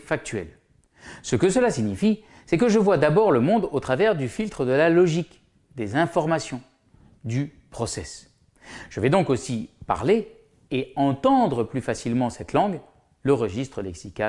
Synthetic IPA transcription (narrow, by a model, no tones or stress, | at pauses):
fak̚t̪ɥɛ̰l | səkəsəlasiɲifi | sɛkəʒəvwad̪abɔʁləmɔ̃d̪ot̪χavɛʁd̪yfilt̪χəd̪əlalɔʒik | d̪ezɛ̃fɔʁmasjɔ̃ | d̪y | pχɔsɛs | ʒ̥əvɛd̪ɔ̃kosipa̰ʁle | eɑ̃t̪ɑ̃d̪ʁəplyfasilmɑ̃sɛt̪ʰlɑ̃ɡ | ləʁəʒist̪χəlɛksika